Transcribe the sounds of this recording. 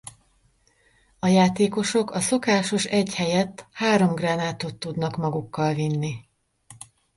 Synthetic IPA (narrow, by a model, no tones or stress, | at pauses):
ɒjaːt̪eːko̞ʃo̞kɒso̞kaːʃo̞ʃɛɟhɛjɛt̪ːhaːɾo̞mɡraːnaːt̪ot̪ːud̪nɒkmɒɡukːɒlvinːi